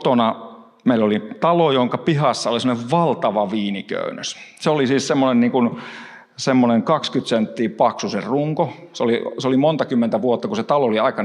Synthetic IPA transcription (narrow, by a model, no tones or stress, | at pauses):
t̪onɑ | meilːolit̪ɑlojoŋkɑpihɑsːɑolisemoneʋʋɑlt̪ɑʋɑʋiːnikø̰ynøsseolisiːssemːonenniːŋkun | semːoneŋkɑkskyt̪sent̪ːiːpɑksusḛrruŋkoseoliseolimont̪ɑkymːent̪æʋuot̪ːɑkuset̪ɑlooliɑikɑ